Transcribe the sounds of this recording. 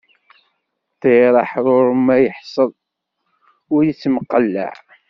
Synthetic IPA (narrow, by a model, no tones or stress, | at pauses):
teɾˤɑħðˤʊɾəmæjəħsˤəðˤ | ʊɾjət͡sːməqːəlːə̰ʕ